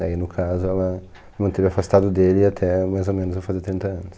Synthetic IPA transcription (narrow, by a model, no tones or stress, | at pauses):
ainʊkʰazʊɛlɐ | mɪmɐ̃nt̪evɪafast̪ad̪ʊd̪elɪat̪ʰɛmajzomẽnʊzvewfaziɐt̪ɾĩnt̪ɐɐ̃nʊs